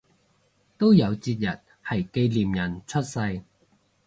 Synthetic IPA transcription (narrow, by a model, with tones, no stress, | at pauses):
t̪o˥wjɐ˨˧wt͡siː˧t̚jɐ˨˩t̚ | hɐ˨˩jke˧jliː˨mjɐ˨˩nt͡ʃʰɵ˥t̚sɐ˧j